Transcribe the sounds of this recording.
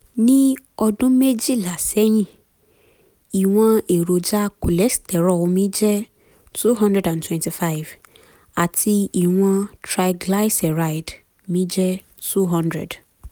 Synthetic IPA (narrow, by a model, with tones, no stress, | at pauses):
nĩ˦ | ɔ˦dʊ̃˦me˦d͡ʒi˦la˨sɛ˦jĩ˦˨ | i˨w̃ɔ̃˧e˨ɾo˨d͡ʒa˦ku˨lɛ˨˦stʰɛ˨ɾɔ˦˨w̃mĩ˦d͡ʒɛ˦ | tʰu˦ɦɔ̃˦ndɾɛ˦˨dã˨ntʰwɛ̃˨nti˨fa˦ɪ˨v | a˨tʰi˧i˨w̃ɔ̃˧tʰɾa˨jɡla˦jsɛ˨ɾa˦jd | mĩ˨˦d͡ʒɛ˦ | tu˦ɦɔ̃˦ndɾɛ̰˨d